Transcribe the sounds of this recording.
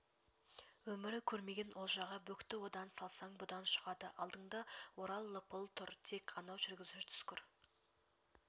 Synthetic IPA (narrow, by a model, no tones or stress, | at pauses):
wɵmɪɾɪkʲʰɵɾme̞ɡʲenʔolˠʒɑʁɑbɵkt̪ɪwo̞d̪ɑnsɑlˠsɑŋbʊd̪ɑnʃə̥ʁɑd̪əʔɑlˠd̪əɴd̪ɑwoɾɑlˠːəpəlˠt̪ʰʊɾt̪ʰe̞kqʰɑnɑwʒʏɾɡʲɪzʉʃt̪ʰʏ̥skʲɪɾ